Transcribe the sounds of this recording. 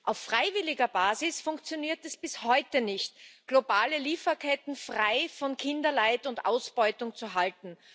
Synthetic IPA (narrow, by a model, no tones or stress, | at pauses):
ʔaʊfːʁ̥aɪvɪlɪɡɐbaːzɪsfʊŋkt͡sjoniːɐtɛsb̥ɪshɔʏtənɪçtɡ̥lobaːləliːfɐkʰɛtn̩fʁ̥aɪfɔnkʰɪndɐlaɪtʊntʔa̰ʊsb̥ɔʏtʊŋt͡suɦaltn̩